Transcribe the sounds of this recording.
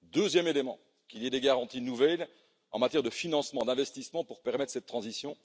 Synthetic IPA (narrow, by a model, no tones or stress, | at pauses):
d̪øzjɛmelemɑ̰̃ | kiliɛd̪eɡaʁɑ̃t̪inuvɛl | ɑ̰̃mat̪jɛʁd̪əfinɑ̃smɑ̃d̪ɛ̃vɛst̪ismɑ̃puʁpɛʁmɛt̪χəsɛt̪ːχɑ̃zisjɔ̃